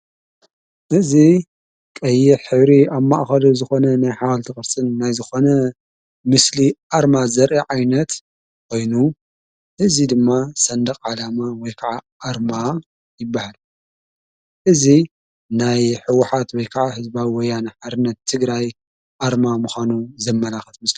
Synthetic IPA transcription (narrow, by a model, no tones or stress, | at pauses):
ʔɨzi | kʼɐjːɪħɨβɾiabmːaʔxɐlozɨxo̞nɐnajħawalt̪ʰɨxʼɨɾsʼɨnːajzɨxo̞nɐ | mɨsliʔaɾmazɐɾʔiʕajnɐt̪ | kʰo̞jnu | ʔɨzid̪ɨmːasɐnd̪ɐqʼʕalamawɔjkʰaʕaʔaɾma | jɪbːahal | ʔɨzi | najħɨwːʊħat̪wɔjkʰaʕahɨzbawwɔjːanħaɾɨnːɐt̪ʰːɨɡɾaj | ʔaɾmamuxanuzɐmːɐlaxɐt̪mɨsli